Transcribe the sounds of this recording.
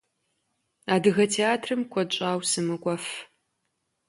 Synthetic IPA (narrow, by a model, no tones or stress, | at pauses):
aːdɨɣɐtʰeaːtʰrɨmkʷʰɔt͡ʃʷʼaːwsɨmɨkʷʼɔf